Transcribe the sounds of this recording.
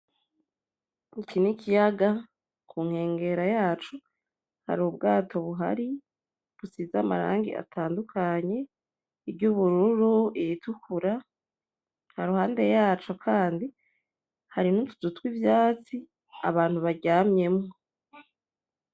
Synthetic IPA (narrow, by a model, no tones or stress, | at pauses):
ikinikijaɡa | kʰuŋ̥he̞ːŋɡe̞ɾajaːt͡ʃo | ha̰ɾubɡaːtʰo̞βuɦa̰ɾi | βusiːzamaɾa̰ːŋɡḭʔa̰tʰaːndukʰaɲe̞ | ibɟuβuɾuɾuijitukuɾa | haɾuhaːnde̞jaːt͡ʃokʰaːndi | haɾinutuzutwivjaːt͡si | a̰βaːn̥huβaɟaːmɲe̞mŋo